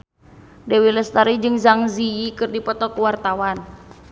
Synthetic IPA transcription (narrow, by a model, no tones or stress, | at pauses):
dɛwiləst̪aɾid͡ʒɨŋzaŋziikɨrdipɔt̪ɔkuwart̪awan